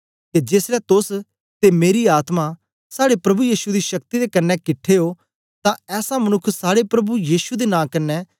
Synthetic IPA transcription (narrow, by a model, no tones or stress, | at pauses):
k̪ed͡ʒeːsɾɛt̪ʊs | t̪emeːɾiaːt̪ma | saːɽepɾɐbujiːʃud̪iʃɐk̚t̪id̪ekɐɾnːɛkɪʈʰːeɦoː | t̪ãɛːsãmɐnʊkʰːsaːɽepɾɐbujiːʃud̪enãːkɐnːɛː